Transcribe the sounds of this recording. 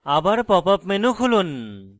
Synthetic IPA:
abaɾpɔpapmenukʰulun

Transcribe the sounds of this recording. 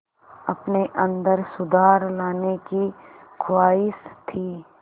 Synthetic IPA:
ɐpneʔɐ̃nd̪əɾsʊd̪ʱaːɾlaːnekikʰʊwaːɪst̪ʰiː

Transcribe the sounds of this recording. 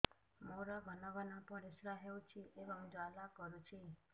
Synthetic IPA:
moɾaɡʱɔnɔɡɔnapɔɾisɾaɦewt͡ʃʰiʔebɔŋd͡ʒalakɔɾut͡ʃʰi

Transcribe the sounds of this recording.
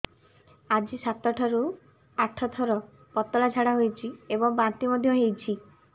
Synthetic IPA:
ad͡ʒisat̪ɔʈʰɔɾu | aʈʰɔt̪ʰɔɾɔ | pɔt̪ɔlad͡ʒʱaɽaɦojt͡ʃʰiebɔŋbãnt̪imɔd̪ʱjɔɦejt͡ʃʰi

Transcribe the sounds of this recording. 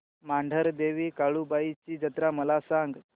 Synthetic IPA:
maɳɖʱəɾd̪eʋiːkaɭuːbait͡ɕiːd͡ʑət̪ɾaməlasãŋɡ

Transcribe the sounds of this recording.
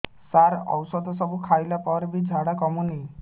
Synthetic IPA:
saɾɔ̰wsɔd̪ʱɔsɔbukʰajlapɔɾbid͡ʒʱaɽakɔmuni

